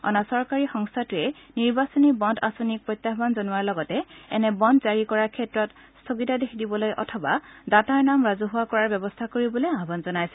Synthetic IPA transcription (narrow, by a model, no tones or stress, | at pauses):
ɔ̰nasɔɹkaɹixɔŋstʰatuɛniɹbasɔnibɔnda̰sonik̚pɹojt̪jaɦbanzonuaɹlɔɡɔtɛɛ̰nɛbɔndzaɹikɔɹaɹkʰɛtɹɔt | stʰoɡitadekʰidibɔlojʔɔ̰tʰɔbadataɹnamɹazuɦʊwakɔɹaɹbjɛbɔstʰakoɹibɔlojaɦbanzɔnajsɛ̥